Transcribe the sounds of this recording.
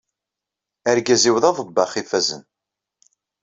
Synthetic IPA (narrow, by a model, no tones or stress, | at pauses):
æɾɡæziwðɑðˤəbːɑχifæzə̰n